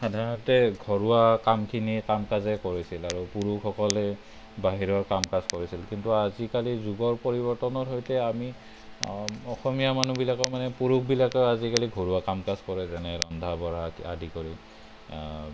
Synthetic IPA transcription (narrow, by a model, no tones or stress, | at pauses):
xadʱaɹɔntɛɡʱɔɹuwakamkʰinikamkazɛkoɹisilaɹupuɹukʰɔkɔlɛ | baɦiɹɔɹkamkazkoɹisilkintuazikalizuɡɔɹpoɹibɔɹtɔnɔtɦojtɛami | ɔxɔmijamanubilakɔmanɛpuɹuk̚ʰbilakɔazikaliɡʱɔɹuakamkazkɔɹɛzɛnɛɹɔndʱabɔɹaa̰dʱikoɹi